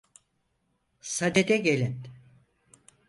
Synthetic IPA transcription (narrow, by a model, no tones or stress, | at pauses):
sad̪ed̪ɛɟelʲin